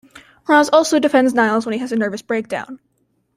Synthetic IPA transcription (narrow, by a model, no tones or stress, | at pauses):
ɹɑ̃zɔlˠsoʊdɨfɛ̃ndznaɪlˠzwə̃niɨzɨnɜ˞vɨsb̥ɹeɪk̚d̥ã̰ʊ̃n